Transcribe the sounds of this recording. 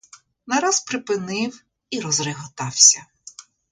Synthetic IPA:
nɐɾɑspɾɪpɪnɪw | iɾɔzrɪɦɔt̪ɑwsʲɐ

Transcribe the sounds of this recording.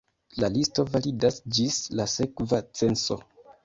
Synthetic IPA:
lalisto̞validasd͡ʒislase̞kvat͡se̞nso̞

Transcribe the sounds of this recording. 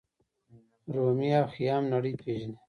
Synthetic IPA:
ɾomijaːxijaːmnaɽəjpʰeːʒni

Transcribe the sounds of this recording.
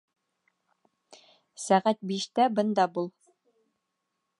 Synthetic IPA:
sæʁæt̪̚biʃt̪æbɤ̆nd̪ɑbulˠ

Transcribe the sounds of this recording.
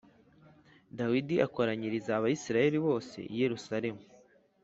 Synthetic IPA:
dawidiʔako̞ɾaɲiɾizaːβajisiɾaje̞ɾiβo̞ːse̞̰ʔije̞ɾusaɾe̞mu

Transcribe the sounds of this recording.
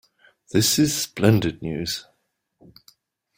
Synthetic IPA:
ðɪsɪz̥splɛ̃ndɪdⁿnjʉ̰ːz̥

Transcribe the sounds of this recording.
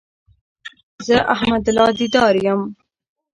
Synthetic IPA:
zəʔahmad̪lɑd̪id̪ɑːɾjəm

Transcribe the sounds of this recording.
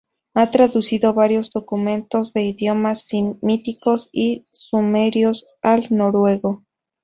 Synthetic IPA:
at̪ɾaðusiðo̞βaɾjo̞zd̪o̞kumẽ̞nt̪ozðe̞iðjo̞masimit̪iko̞sisumeɾjos | alnoɾwe̞ɣo

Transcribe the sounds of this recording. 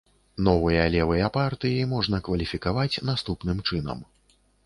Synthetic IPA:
nɔvɨjɐlʲɛvɨjɐpart̪ɨjimɔʐnɐkvɐlʲifʲikavat͡sʲnast̪upnɨmt͡ʂɨn̪ɐ̰m

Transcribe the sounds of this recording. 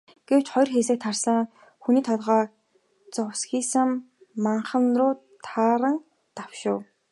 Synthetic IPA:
ɡ̥ew̥t͡ɕχɔjrxeːs̬eːk̚t̪ʰːarsə̆ŋ | xuniːt̪ʰɔt̪ʁaː | t͡sʊwsxiːsə̆mː | aɴχə̆nrʊː | t̪ʰaːɾə̆ŋ | t̪awʃʊ̆ː

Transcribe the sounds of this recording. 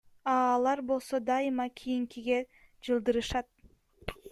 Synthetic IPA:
ɑːlˠɑɾbo̞lˠso̞d̪ɑɯmɑkʲʰijiŋkiɡe̞ | d͡ʒɯlˠd̪ɯɾɯʃɑt̪̚

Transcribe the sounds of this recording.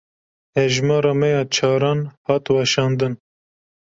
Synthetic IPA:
hɛʒmɑːɾɑːmɛjɑːt͡ʃʰɑːɾɑːnhɑːt̪wɑʃɑːnd̪ɨn

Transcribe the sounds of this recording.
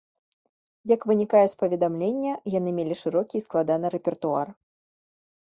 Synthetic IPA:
jɐkvɨnʲikajɛspɐvʲɛd̪amlʲenʲːɐjan̪ɨmʲelʲiʂɨɾɔkʲisklˠad̪an̪ɨɾɛpʲɛrt̪ua̰r

